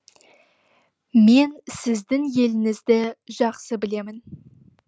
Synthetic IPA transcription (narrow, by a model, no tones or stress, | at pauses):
me̞nsɪzd̪ɪŋje̞lɪŋɪzd̪ɪʒɑqsəbɪle̞mɪn